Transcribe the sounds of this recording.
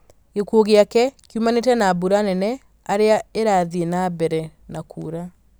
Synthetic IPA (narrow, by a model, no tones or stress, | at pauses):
ɡekuoɣeakɛkjumanetɛnaːbuɾanɛnɛ | aɾeaeɾaːðienabɛɾɛnakʰṵːɾa